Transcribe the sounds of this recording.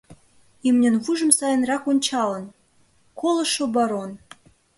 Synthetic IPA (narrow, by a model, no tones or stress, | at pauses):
imnʲɘ̆nβuʒɤ̆msɑjɤ̆nrɑkonʲt͡ɕɑlɤ̆n | kolɤ̆ʃobɑɾon